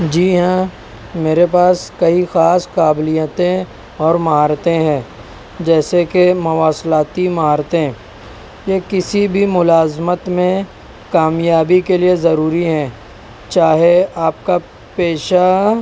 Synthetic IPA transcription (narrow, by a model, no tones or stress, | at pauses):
d͡ʒiːɦɛ̃ | meːɾepaːskɐixaːskaːblijət̪ẽ | ɔːɾmɐɦaːɾt̪ẽɦɛ̃ː | d͡ʒɛːsekemɐʋaːslaːt̪imɐɦaːɾt̪ẽ | jekɪsibʱimʊlaːzmət̪mẽ | kaːmjaːbikeliezɐɾuːɾiɦɛ̃ː | t͡ʃaːɦeaːp̚ka | peːʃa